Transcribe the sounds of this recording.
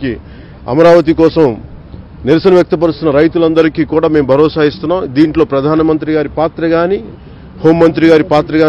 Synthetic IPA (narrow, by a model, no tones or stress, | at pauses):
ki | ɐ̰mɐɾaːʋɐt̪̬ikɔːsɐm | niɾɐsɐnɐʋjɐk̚t̪ɐp̬ɐɽust̪unːɐɾɐjt̪ulɐnd̪ɐɾikiːkuːɽaːme̞ːmbʱɐɾɔːsaːist̪unːaːmd̪iːɳʈlo̞ːpɾɐd̪ʱaːnɐmɐnt̪̬ɾiɡaːɾipaːt̪ɾɐɡaːni | ho̞ːmːɐnt̪ɾiɡaːɾipaːt̪ɾɐɡaː